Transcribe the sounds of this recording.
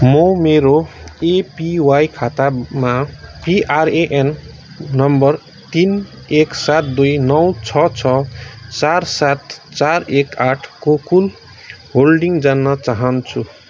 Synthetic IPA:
mʌmeɾoepiwajkʰat̪amapiʔareʔenː | ʌmbʌr | t̪in | eksat̪̚d̪ujnʌwt͡sʰʌt͡sʰʌt͡sarsat̪t͡sarekaʈʰkokul | holɖiŋd͡zanːʌt͡saɦʌnt͡sʰu

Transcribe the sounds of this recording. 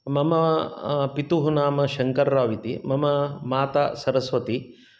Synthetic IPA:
mɐmɐpit̪uɦunaːmɐʃɐŋkɐɾːaːʋit̪imɐmɐmaːt̪asɐɾɐsʋɐt̪i

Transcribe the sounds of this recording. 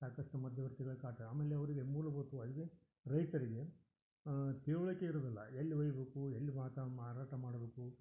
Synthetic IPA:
saːkɐʂʈumɐd̪ʱjɐʋɐɾt̪iɡɐɭukaːɾʈɐaːmeːlːeɐʋɐɾiɡemuːlɐboːt̪uɐlɡe | ɾɐjt̪ɐɾiɡe̞ | t̪eːʋuɭɐkːeiɾɐd̪ɐlːɐ̰elːiʋɐjɐbeːkuelːimaːt̪ɐmaːɾaːʈɐmaːɽɐbe̞ːku

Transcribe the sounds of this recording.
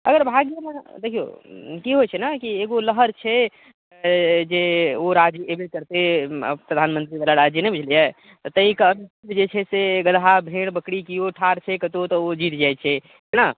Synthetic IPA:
ə̰ɡəɾbʱaɡjəned̪ekʰijo̰kiɦot͡ʃʰɛnakieɡoləɦəɾt͡ʃʰɛ | d͡ʒeoɾad͡ʒəebekəɾt̪ḛpɾəd̪ʱanmənt̪ɾibalaɾad͡ʒjənebud͡ʒʱlija | t̪ɔt̪əĩkənsibd͡ʒet͡ʃʰɛseɡəlɦabʱeɽbəkɽikijoʈʰaɾt͡ʃʰɛkət̪ot̪ɔod͡ʒit̪d͡ʒat͡ʃʰɛ | ɦɛna

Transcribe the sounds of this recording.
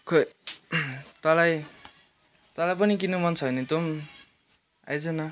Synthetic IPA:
kʰo | t̪wʌlaj | t̪walajpʌnik̬inumʌnt͡sʰʌjnit̪om | a̰jd͡zʌnʌ

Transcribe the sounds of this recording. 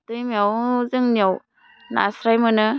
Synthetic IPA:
tɯjmiawzɯŋniaw | na̰sɾajmɯnɯ

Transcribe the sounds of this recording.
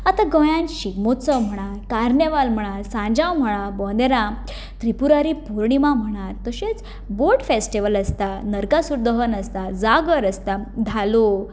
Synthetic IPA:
at̪aɡɔjãnɕiɡmott͡səm̤əɽ̃aɾkaɾnjeʋalm̤əɽ̃aɾsãɲd͡ʑãwm̤əɽ̃ãbɔ̃nd̪eɾã | t̪ɾipuɾaɾipuɾɳimam̤əɽ̃aɾt̪əɕet͡s | boʈfesʈiʋələst̪anəɾkasuɾd̪əɦənəst̪ad͡zaɡəɾəst̪ad̪ʱalo

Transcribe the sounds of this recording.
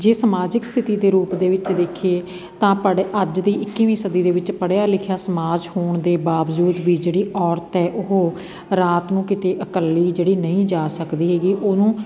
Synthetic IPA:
d͡ʒeːsəmaːd͡ʒɪkst̪ʰɪt̪iːd̪eːɾuːpd̪eːʋɪt͡ʃd̪eːkʰeː | t̪ãːpəɽəd͡ʒd̪iːʔɪkːiːʋiːsəd̪iːd̪eːʋɪt͡ʃpəɽjaːlɪkʰjaːsəmaːd͡ʒhoːɳd̪eːbaːʋd͡ʒuːd̪ʋiːd͡ʒeːɽiːʔɔːɾt̪ɛːʔʊɦoː | ɾaːt̪nũːkɪt̪eːʔəkəlːiːd͡ʒeːɽiːnəĩːd͡ʒaːsəkd̪iːɦeːɡiːʔoːnũː

